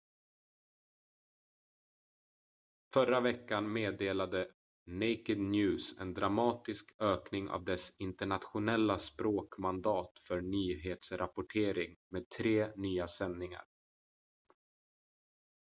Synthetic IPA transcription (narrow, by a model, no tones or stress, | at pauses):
fœɾavɛkːanmeːd̪eːlad̪ə | nɛɪkɪd̪njʉ̟ːsɛ̰nd̪ɾamɑːt̪ɪskøːknɪŋʔa̰vd̪ɛsɪnt̪əɳat̪ɧʊnɛlːaspɾoːkmand̪ɑːt̪fœɳyːɦeːt̪sɾapʊʈʰeːɾɪŋmeːd̪̚t̪ʰɾeːnyːasɛnːɪŋa̰ɾ